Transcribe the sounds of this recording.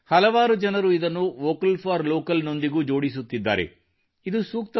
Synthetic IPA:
hɐlɐʋaːɾud͡ʒɐnɐɾuid̪ɐnːuʋoːkɐlpʰaːɾloːkɐlno̞nd̪iɡuːd͡ʒo̞ːɽis̬ut̪ːid̪ːa̰ːɾe̞̰ | id̪usuːk̚t̪ɐ

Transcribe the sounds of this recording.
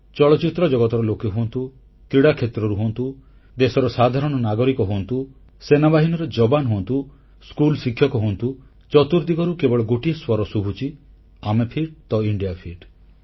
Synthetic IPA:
t͡ʃɔɭɔt͡ʃit̪ɾɔd͡ʒɔɡɔt̪ɔɾɔlokeɦuɔnt̪u | kɾiɽakʰet̪ɾɔɾuɦuɔnt̪u | d̪esɔɾɔsad̪ʱaɾɔɽ̃ɔnaɡɔɾikɔɦuɔnt̪u | senabaɦinɔɾɔd͡ʒɔbanɦuɔ̃nt̪u | skulsikʰjɔkɔɦuɔnt̪u | t͡ʃɔt̪uɾd̪iɡɔɾukebɔɭɔɡoʈiswɔɾɔsubʱut͡ʃʰi | amepʰiɖ̚t̪ɔiɳɖijapʰiɖ

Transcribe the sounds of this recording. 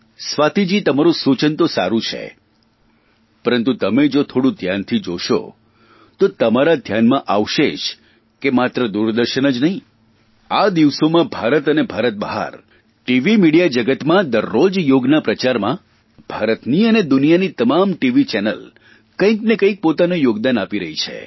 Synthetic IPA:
sʋat̪id͡ʒit̪əmaɾũsut͡ʃənt̪osa̰ɾũt͡ʃʰḛ | pəɾənt̪ut̪əmed͡ʒot̪ʰoɽũd̪ʱjant̪ʰid͡ʒoʃo̰ | t̪ot̪əmaɾad̪ʱjanmãʔaʋʃet͡ʃʰ | kemat̪ɾəd̪uɾd̪əɾʃənəd͡ʒnəɦĩ | ad̪iʋsomãbʱaɾət̪ənebʱaɾət̪̚bəɦa̰ɾ | ʈiʋimiɽijad͡ʒəɡət̪mãd̪əɾːod͡ʒjoɡnapɾət͡ʃaɾmã | b̥ʱaɾət̪niəned̪ʊnijanit̪əmamʈiʋit͡ʃɛnə̰l | kə̃ĩknekə̃ĩk̚pot̪anojoɡd̪anapiɾəɦit͡ʃʰḛ

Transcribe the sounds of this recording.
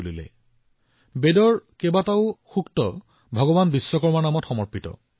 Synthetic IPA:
lilɛ̰ | bedɔɹkebataʊxuktɔ | bʱɔɡɔbanbisːɔkɔɹmanamɔtxɔmɔɹpitɔ̰

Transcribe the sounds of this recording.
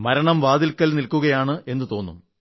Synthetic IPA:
mɐɾɐɳɐmʋaːd̪ilkːɐlnilkuɣɐjaːɳɨʔe̞nːɨt̪o̞ːnːṵm

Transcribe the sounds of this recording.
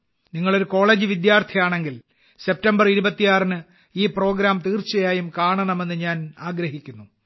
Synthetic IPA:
niŋːɐɭo̞ɾuko̞ːɭeːd͡ʑɨʋid̪jaːrt̪ʰɐjaːɳe̞ŋɡil | se̞p̚tɐmbɐriɾubɐt̪ːijaːrnɨ | iːpro̞ːɡɾaːmt̪iːrt͡ɕːɐjaːjumkaːɳɐɳɐme̞nːɨɲaːnaːɡɾɐhikʲːunːu

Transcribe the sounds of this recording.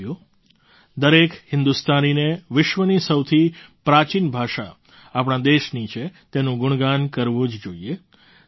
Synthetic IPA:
o | d̪əɾekhɪnd̪ust̪anineʋɪʃʋənisəwt̪ʰipɾat͡ʃinbʱaʃa̰ː | pɽ̃ãd̪eʃnit͡ʃʰet̪enũɡʊɳ̃ɡankəɾʋũd͡ʒd͡ʒoie

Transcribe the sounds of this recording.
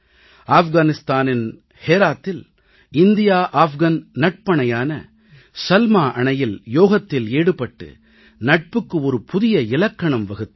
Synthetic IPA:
aːfɣaːnɪst̪aːnɪn | heːɾaːt̪ːɪl | ɪnd̪ɪjaːʔaːfɣɐnnɐʈ̚pɐɳɐjaːnɐ̰ | sɐlmaːʔɐɳɐjɪljoːɣɐt̪ːɪleːɽɯpːɐʈːɯ̰ | nɐʈ̚pɯkːɯɔɾɯpʊðɪjɐɪlɐkːɐɳɐmʋɐɣɯt̪ː

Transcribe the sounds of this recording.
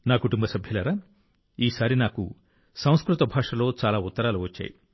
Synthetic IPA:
naːkuʈumbɐsɐbʱjɐlɐːɾaː | iːsaːɾinaːkṵ | sɐ̃w̃skɾut̪ɐbʱaːʂɐlo̞ːt͡ʃaːlaːut̪ːɐɾaːluʋɐt͡ʃːa̰ːji

